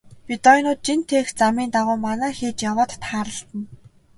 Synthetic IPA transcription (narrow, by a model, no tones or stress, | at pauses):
pʲit̪ɔjnʊːt̪̚t͡ɕint̪ʰeːxt͡samiːnt̪aʁʊːmanæːxeːt͡ɕjawaːt̪ːχaːɾə̆ɬt̪ə̆n